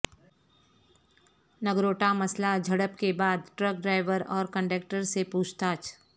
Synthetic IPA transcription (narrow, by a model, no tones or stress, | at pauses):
nəɡɾoːʈamɐslad͡ʒʱɐɽəpkebaːd̪ʈɾək̚ɖɾaːɪʋəɾɔːɾkə̃ɳɖek̚ʈəɾsepuːt͡ʃʰt̪aːt͡ʃʰ